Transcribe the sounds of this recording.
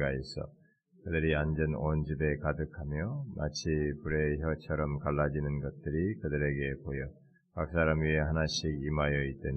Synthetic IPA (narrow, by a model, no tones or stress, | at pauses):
ɡaesʰʌ̰ | kɯdɯɾiand͡ʑʌnond͡ʑibe̞kadɯkʰamjʌma̰t͡ɕʰipuɾe̞çjʌt͡ɕʰʌɾʌmkaɭːad͡ʑinɯnɡʌt̚t͈ɯɾikɯdɯɾe̞ɡe̞pojʌ | kak̚s͈aɾamieɦanaɕʰiɡimajʌit͈̚ɯɲ